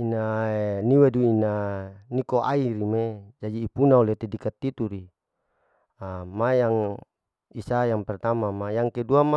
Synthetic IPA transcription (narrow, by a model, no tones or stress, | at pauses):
inaeniweduinanikoʔa̰iɾimed͡ʒadiːpunaulet̪edikat̪ːit̪uɾi | amajaŋ | isajaŋpɛrt̪amamajaŋkeduama